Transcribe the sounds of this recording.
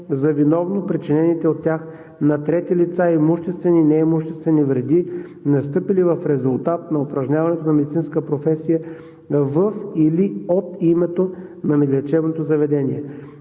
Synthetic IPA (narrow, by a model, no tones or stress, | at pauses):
zɐvinɔvnopɾit͡ʃinɛnit̪ɛot̪ːʲax | nɐt̪ɾɛt̪ilit̪saimuʃt̪ɛst̪vɛninɛimuʃt̪ɛst̪vɛnivɾɛd̪inɐst̪ɤpilivɐfɾɛzulˠt̪at̪̚nɐopɾɐʒnɲʲavɐnɛt̪onɐmɛd̪it̪inskəpɾofɛsijə | vəfiliot̪imɛt̪onɐmɛɡlʲɛt͡ʃɛbnot̪ozɐvɛd̪ɛniɛ